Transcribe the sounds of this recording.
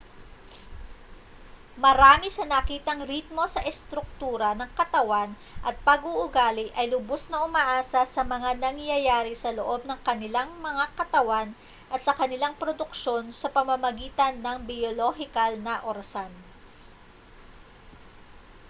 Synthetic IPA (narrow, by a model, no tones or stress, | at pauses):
mɐɾaːmɪsɐnɐkiːt̪ɐŋɾit̪̚mo̞sɐʔɛst̪ɾʊk̚t̪uːɾɐnɐŋkɐt̪ɐwan | ʔɐt̪̚pɐɡuʔʊɡaːlɪʔɐjlʊbosnɐʔʊmaʔaːsɐsɐmɐŋanɐŋjɐjaːɾɪsɐloʔo̞b̚nɐŋkɐnɪlaŋmɐŋakɐt̪ɐwan | ʔɐt̪sɐkɐnɪlaŋpɾod̪ʊkʃo̞nsɐpɐmɐmɐɡiːt̪ɐnːɐŋbɪjoloɦɪkɐlnɐʔoɾɐsan